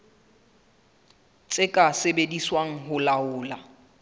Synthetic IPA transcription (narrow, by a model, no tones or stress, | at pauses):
t͡sʼɪkʼasebediswaŋ̩ɦʊlaʊːla